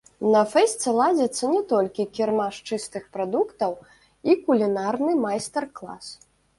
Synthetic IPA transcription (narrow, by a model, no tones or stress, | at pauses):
nɐfɛsʲt͡sʲɛlˠad͡zʲɐt̪sːɐnʲɛt̪ɔlʲkʲikʲirmaʂt͡ʂɨst̪ɨxpɾad̪ukt̪ɐw | ikulʲinarnɨmajst̪ɛrklˠa̰s